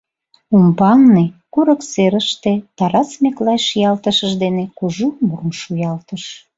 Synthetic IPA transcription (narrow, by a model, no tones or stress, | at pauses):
umbɑlnekuɾəkseɾəʃt̪et̪ɑɾɑsmeklɑjʃjɑlt̪əʃəʒd̪enekuʒumurmʃujɑlt̪əʃ